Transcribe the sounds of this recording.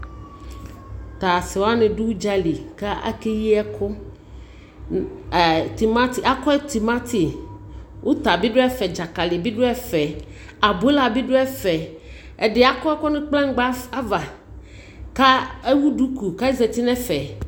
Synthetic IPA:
t̪a˨sɪ˨wo˦a˦nɪ̃˨ɖu˦u˦d͡ʒa˦li˨ka˦ʔa̰˦ke˦ji˦ɛ˦kʰʊ˦˨ | t̪i˨ma˦t̪i˨a˦kɔ˦e˦t̪i˨ma˦t̪i˨ | wʔo˦t̪a˨bi˦ɖʊ˦ɛ˦fɛ˨d͡ʒa˨ka˨lɪ˨bi˦ɖo˦ɛ˦fɛ˨ | a˨bo˦la˨bi˦ɖo˦ɛ˦fɛ˨ | ɛ˨ɖɪ˨a˨kɔ˦ɛ˦kɔ˦nʊ̃˦k͡plɛ̃˦ŋ˦ɡ͡ba˦a˦va˨ | ka˦e˦wu˦ɖu˦ku˨ka˦i˦zɛ˨t̪i˦nɛ̃˦fɛ˨

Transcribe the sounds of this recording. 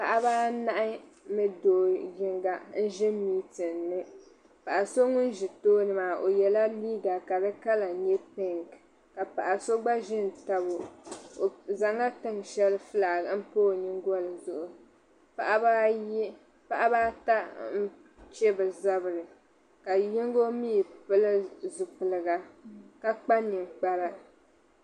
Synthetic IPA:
pa˨ʔa˦baː˦na˦ʔɪ˦mɛ˦doː˨ɡɪ˦ŋɡa˨n̩˦ʒɛ˦miː˦tɨ˨nː˨ɨ˦ | pa˨ʔa˨so˦ŋʊ˦n˦ʒɪ˨toː˦nɨ˨maː˨ʔo˨jɛ˨la˦liː˦ɡa˨ka˨bɛ˦ka˦la˨ɲɛ˦tɪ˦ŋ | ka˨pa˨ʔa˨so˦ɡ͡ba˦ʒɪ˦n˨ta˨bo˨ | za˨ŋa˦tɨ˦ŋʃɛ˦lɨ˦fɨ˦laː˨ɡa˨m̩˦poː˦˨ɲi˦ŋɡɔ˦lɨ˨zʊ˨ʔʊ˨ | pa˨ʔa˦b | pa˦ʔa˦baː˦ta˦n̩˦ | t͡ʃɛ˦bɨ˨za˦bɨ˨ɾɨ˨ | ka˨jɪ˦ŋ˦ɡo˦mi˦˨pɨ˦lɨ˦zʊ˨pɨ˨lɨ˨ɡa˨ka˦k͡pa˦ɲɨ˨ŋk͡pa˦ɾa˦

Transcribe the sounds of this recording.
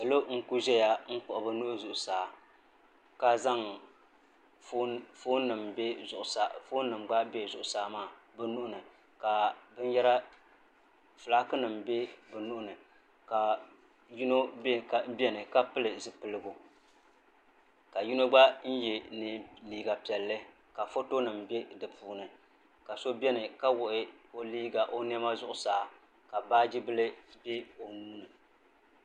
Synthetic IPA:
ka˨lo˦ŋ̩˦ku˦ʒɛ˦ja˦ŋ̩˦k͡pʊ˨ʔʊ˨bɨ˦nu˦ʔzʊ˨ʔʊ˨saː˨ | ka˦za˦ŋ˦ | foː˦nɨ˨mbe˦ʊ˨ʔsa˨foː˦nɨ˨mɡ͡ba˦be˦˨zʊ˨ʔʊ˨saː˦maː˦˨ | bɨ˨nu˦ʔʊ˦nɨ˨ | ka˨bɨ˦n˦jɛ˦ɾa˦ | fɨ˨la˦kɨ˦nɨ˨mbe˦bɨ˨nu˦ʔʊ˦nɨ˨ | ka˨ | ju˦no˦ba˨˦bɛ˦nɨ˨ka˦pɨ˦lɨ˨zɨ˨pɨ˨lɨ˨ɡu˨ | ka˨ju˦no˦ɡ͡ba˦n̩˦jɛ˨ni˨liː˨ɡa˨pi˨ɛ˨lːɨ˦ | ka˨fo˦to˦nɨ˨mbe˦dɨ˨pʰuː˨nɨ˨ | ka˨so˦bɛ˦nɨ˨ka˦wʊ˨ʔɪ˦o˦liː˦ɡa˨ʔo˦n˦ɛ˦ma˦zʊ˦ʔʊ˨saː˨˦ | ka˨baː˦d͡ʒi˦bɨ˦lɨ˦be˦o˨nuː˦nɨ˨

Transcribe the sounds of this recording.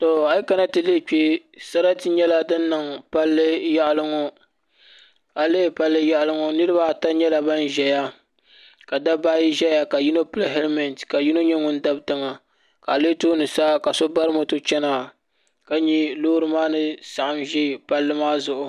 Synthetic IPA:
tɔ˨a˨ji˦ka˦na˦tɨ˨le˦˨k͡pi˦ | sa˦ɾa˦tɨ˦ɲɛ˦la˦dɨ˦nː˦ɨ˨ŋpa˦lːɨ˦ja˦ʔlɨ˦ŋɔ˦ | a˨leː˦˨pa˦lːɨ˦ja˦ʔlɨ˦ŋɔ˦nɨ˦ɾɨ˦ba˦˨ta˦ɲɛ˦la˨ba˦nʒɛ˨ja˦ | ka˨da˦ba˦ji˦ʒɛ˦ja˨ka˨ji˦no˦pɨ˦le˦ɦɛ˦ɾmɛ˨ntka˨ji˦no˦ɲɛ˦ŋʊ˦n˦da˦btɨ˦ŋa˨ | ka˨leː˦toː˦nɨ˨sa˦ka˨so˦ba˦ɾɨ˦mo˨tɨ˦t͡ʃɛ˦na˨ | ka˦ɲi˦loː˦ɾɨ˦maː˦nɨ˦sa˨ʔa˨mʒɛ˦˨pa˦lːɨ˦maː˦zʊ˨ʔʊ˨

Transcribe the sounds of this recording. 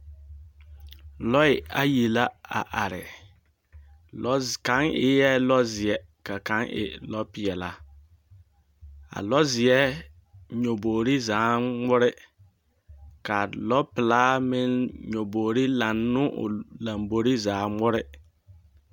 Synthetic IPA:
lɔ˦ɪ˨a˨ji˨la˦a̰˨ʔa˨ɾɪ̰˨˦ | ka˨˦ŋɪ̰˦jɛ˦lɔ˦zɪ˨ɛ˨˦ | ka˨ka˨˦ŋʔɪ̰˨lɔ˦pɪ˦˨ɛ˨la˦ | a̰˨lɔ˦zɪ˨ɛ˦ | ɲo˨boː˨ɾi˦zaː˨˦ŋ͡mʊ˦ɾɪ˦ | ka˨lɔ˦pɪ˨laː˦mɪ˦nɲo˨boː˨ɾi˦la˨nːʊ˦ʔʊ̰˨la˨mbo˨ɾi˦zaː˨˦mʊ˦ɾɪ˦

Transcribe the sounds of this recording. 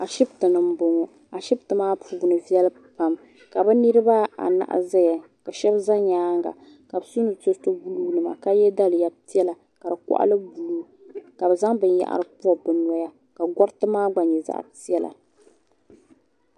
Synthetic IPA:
a˨ʃi˦btɨ˨nɨ˨m̩˦bo˨ŋɔ˨ | a˨ʃi˦b̚tɨ˨maː˦pu˨bnɨ˨vɛ˦l | pa˨m | ka˨bɨ˦nɨ˦ɾɨ˦ba˦a̰˨na̰˨ʔa̰˨zɛ˦ja˨ | ka˨ʃɛ˦bza˦ɲaː˦ŋɡa̰˨ | ka˨bsu˦nɨ˨to˦to˦bu˦luː˦nɨ˨ma̰˨ka˦jɛ˦da˦lɨ˨ja˨ti˦ɛ˦la˨ | ka˨dɨ˨kɔ̰˦ʔa̰˦lɨ˦bu˨luː˦ | ka˨bɨ˨za˦ŋbɨ˦nja̰˨ʔa̰˨ɾɨ˦pu˦ɔ˦˨bɨ˨nɔ˨ja˦ | ka˨ɡɔ˦ɾtɨ˦maː˦ɡ͡ba˨ɲɛ˨za̰˦˨ʔti˦ɛ˦la̰˨

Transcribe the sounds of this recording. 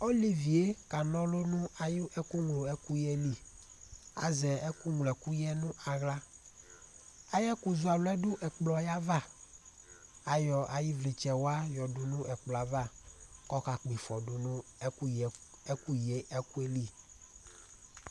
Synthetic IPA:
o˦li˦vi˨e˦ka˨nɔ̃˦lo˦nũ˦a˨ji˦ʔɛ˦ku˦ŋlo˨ɛ˦ku˦jɛ˦li˦˨ | a̰˨zɛ˨ɛ˦ku˦ŋlɛ˨ku˦jɛ˦nũ˦a˨ɣla˦ | a˦jɛ˦ku˨zu˦a˨lo˦ɛ˦ɖʊ˦ʔɛ˨k͡plɔ˨ja˦va˦ | a˨jɔ˨a˨ji˦vle˨t͡ʃɛ˨wo˦a˦jɔ˨du˨nũ˦ʔɛ˨k͡plɔ˨a˨va˦kɔ˦ka˨k͡pi˨fɔ˨du˨nũ˦u˦˨ɛ˦ku˦je˦ʔɛ˦ku˦e˦li˦˨

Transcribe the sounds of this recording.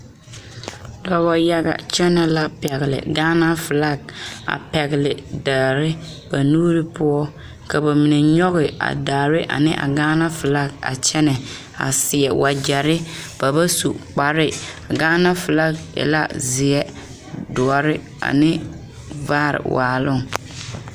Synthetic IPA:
lɔ˦bɔ˦ja˦ɡa̰˨t͡ʃɛ˦nɛ˨la˦pɛ˨ɣɪ˨lɪ̰˨ɡaː˦na˦fʊ˨la˦ɡ̚a̰˨pɛ˨ɣɪ˨lɪ˨daː˨ɾɪ˦ | b̥a˨nuː˦ɾɪ˦pʊ˦ɔ˦ | ka˨ba˨mi˨ne˨ɲɔ˦ɣɪ˨a̰˨da˨ɾɪ˦ʔa̰˨nɪ˦ʔa̰˨ɡaː˦na˦fʊ˨la˦ɡa̰˨t͡ʃɛ˦nɛ˨ | a̰˨sɪ˨ɛ˨wa˨d͡ʒa˨ɾɪ˦b̥a˨ba˦sṵ˨k͡pa˨ɾɪ˦a˨ɡaː˦na˦fʊ˨la˦kɛ̰˨la̰˦zɪ˨ɛ˦ | dʊ˨a˨ɾɪ˦ | a̰˨nɪ˦ | vaː˦ɾɪ̰˨waː˨lʊ˦˨ŋ

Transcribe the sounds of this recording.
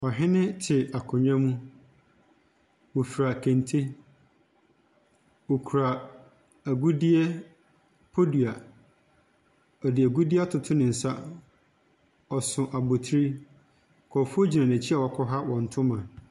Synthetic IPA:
ɔ˨ɦɪ̃˦nɪ̃˦tʰɪ˨a˨kʰʊ̃˨ɲã˦mũ˦ | wo˨fi˨ɾa˨kʰẽ˨ntʰe˦ | wo˨kʰu˨ɾa˨ | æ˨ɡu˦di˦ɛ˦ | pʰo˦di˨a˨ | ɔ˨dɪ˨æ˨ɡu˦di˦a˦tʰʊ˨tʰʊ˦nɪ̃˨n̩˨sa˦ | ɔ˨sʊ̃˨ʔa˨bo˨tʰɾi˦ | kʰɔ˨fo˦d͡ʑi˨nã˨nã˨t͡ɕʰi˦a˨wɔ˨kʰɔ˦ɦa˦wɔ̃˨n̩˨tʰʊ̃˦mã˨

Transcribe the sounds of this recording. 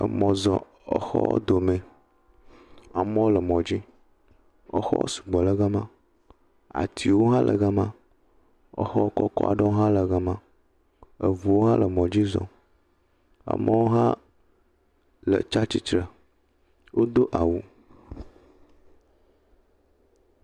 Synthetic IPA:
ə̰˨mɔ̃˨zɔ̃˨ | ɔ˨xɔ̰˦d̪o˨me˨ | a̰˨mɔ̃˦lə˨mɔ̃˨d͡ʑi˦ | ɔ̰˦xɔ̰˦o̰˦su̥˨ɡ͡bɔ˨lə˦ɣa˦mã˦ | a̰˨t̪ʰi˨wo˦ɦã˦lʔə̰˨ɣa˦mã˦ | ɔ̰˨xɔ˦kɔ˦kɔ̰˦a̰˨ɖɔ˦wo˦ɦã˦lə˨ɣa˨mã˨ | ə˨vu˨wo˦ɦã˦lə˨mɔ̃˨d͡ʑi˦zɔ̰̃˨ | a̰˨mɔ̃˦wo˦ɦã˦ | lə̰˨t͡ʃa˦t͡ɕi˦t͡ʃɾə˨ | wo˦d̪o˦ʔa˨wu˦

